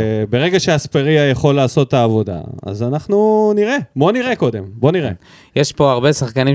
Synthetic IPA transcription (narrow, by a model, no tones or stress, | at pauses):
beʁe̞ɡaʃeaspeʁiajaχo̞lːaːso̞t̪ːaːvo̞da̰a̰zanaχnuniʁe̞bo̞niʁe̞ko̞de̞mbo̞niʁḛ | jeʃpo̞aʁbe̞saχkani